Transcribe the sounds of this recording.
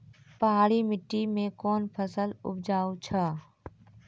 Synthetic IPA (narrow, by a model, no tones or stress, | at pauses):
pɐɦaːɽimɪʈːimẽkɔːnpʰəsəlʊ̰bd͡ʒaːut͡ʃʰaː